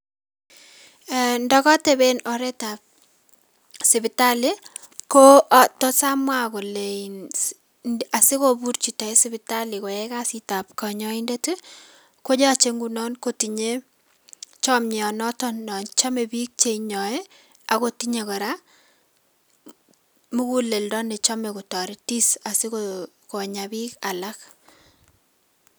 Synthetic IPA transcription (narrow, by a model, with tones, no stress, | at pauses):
ndɔkɔ˦tɛ˨benɔ˨ɾɛtap̚ | sɪ˨bɪ˨tali˦ | kotɔ˦samwakɔ˨lein | a˨sɪ˦kobu˦ɾt͡ʃi˨ta˨i˦sɪbɪ˨tali˨kɔ˨jɛkasita˨p̚kɔ˨ɲɔindeti˦ | ko˦d͡ʒa˦t͡ʃe˦ŋɡunɔnkoti˨ɲe˦ | t͡ʃɔ˦mɲ˨ɔ˨nɔ˦tɔnːɔ˨nt͡ʃa˦me˨bi˦k̚t͡ʃeɲɔ˨e | akotiɲe˨kɔ˨ɾa˦ | mu˦ku˦le˨ldɔ˦ne˨t͡ʃɔ˦me˨ku˨tɔ˨ɾi˦ti˦sa˨si˦ko | ko˨ɲabi˦ka˨lak